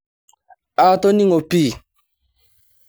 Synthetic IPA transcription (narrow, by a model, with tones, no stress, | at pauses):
a˨˦˨to˦nĩ˦ŋo˨pi˦˨